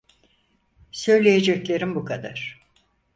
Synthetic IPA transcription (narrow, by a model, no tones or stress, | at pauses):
sø̞jlʲejed͡ʒɛclʲe̞ɾimbukʰad̪aɾ̥